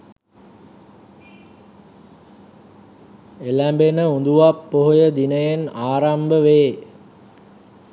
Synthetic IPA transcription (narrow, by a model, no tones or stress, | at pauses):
elæmbenəund̪uʋapːoɦojəd̪inəjenaːɾambəʋeː